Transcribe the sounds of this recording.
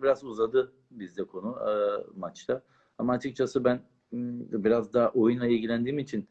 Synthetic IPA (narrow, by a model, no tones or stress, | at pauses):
biɾazuzad̪ɯ | bizd̪ɛkʰo̞numat͡ʃt̪ʰa | amaːt͡ʃʰɯk̚t͡ʃʰasɯbæn | biɾazd̪aːʔo̞junlˠailʲɟilʲænd̪iːmit͡ʃʰin